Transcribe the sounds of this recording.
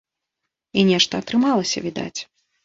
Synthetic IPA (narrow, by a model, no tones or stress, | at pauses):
inʲɛʂt̪ɐːt̪ɾɨmalˠɐsʲɐ̰vʲid̪a̰t͡sʲ